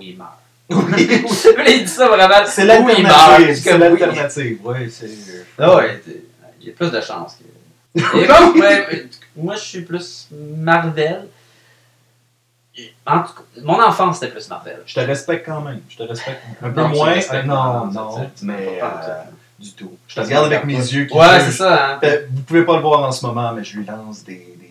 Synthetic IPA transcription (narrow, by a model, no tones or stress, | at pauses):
wima̰ːʁ | wvlɛid̪isʌvʁɛmãsɛlaltɛinamivlalt̪ɛʁnat̪iːvwisɛwit̪ɛ̰ | ilɛplysd̪əʃɑ̰̃ːskə̰ | ɛ | mwaʒəsɥiplysmaʁvɛl | ɑ̃t̪u̥kamɔ̃nɑ̃fɑ̃se̥t̪ɛplysma̰ʁvɛ̰lʒ̥ə̥t̪əʁɛspɛk̚t̪̚kɑ̃mɛ̃ɪmʒə̥t̪əʁɛspɛk̚t̪ɛ̃pømwɛ̃ɛnɔ̃nɔ̃m̃ɛ | d̪yt̪uʒ̥ət̪əʁɡaʁd̪avɛk̚mezjøkʲiwɛsesaɛvupuvepaləvwaːʁɑ̃səmɔmɑ̃mɛʒəlɥilɑ̃sd̪e | d̪e